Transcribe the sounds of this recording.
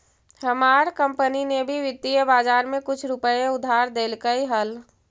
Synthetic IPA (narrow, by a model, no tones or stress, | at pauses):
həmaːɾkə̃mpəninebʱiʋɪt̪ːijəbaːd͡ʒaːɾmẽkʊt͡ʃʰɾʊpəeʊd̪ʱːaːɾd̪eːlkəiɦəl